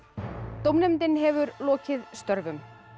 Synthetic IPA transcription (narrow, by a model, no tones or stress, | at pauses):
t̪owmnɛmt̪ɪnɦɛvʏɾlɔːcɪðst̪œɾvʏm